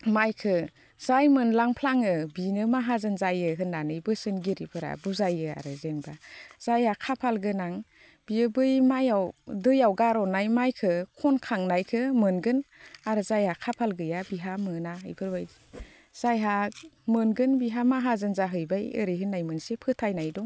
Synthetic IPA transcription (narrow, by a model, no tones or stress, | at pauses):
majkʰɯ | z̥ajmɯnlaŋpʰlaŋɯbinɯmaɦazɯnzajɯɦɯnːanɯjbɯsɯnɡiɾipʰɯɾa̰buzajɯa̰ɾɯzenbaz̥ajhakʰapʰalɡɯnaŋ | b̥iɯbɯjmajawdɯjawɡaɾɔnajmajkʰɯkʰɔnkʰaŋnajkʰɯmɯnɡɯnaɾɯzajhakʰapʰalɡɯjabiɦamɯnaɯ̰jbʰɯɾbaj | z̥ajɦamɯnɡɯnbiɦamaɦazɯnzaɦɯjbajɯ̰ɾijɦɯnːajmɯnsepʰɯtʰajnajdɔŋ